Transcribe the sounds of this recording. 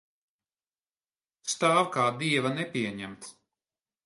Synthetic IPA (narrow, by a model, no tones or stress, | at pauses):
st̪aːwkaːd̪iɛvanɛpʲiɛɲæmt̪s